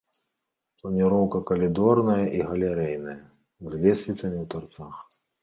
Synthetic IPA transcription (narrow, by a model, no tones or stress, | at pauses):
plˠɐnʲiɾɔwkɐkɐlʲid̪ɔrnɐjɐʔiɣɐlʲɛɾɛjnɐjɐ | zʲlʲɛsʲlʲit̪sɐmʲiwt̪art̪sax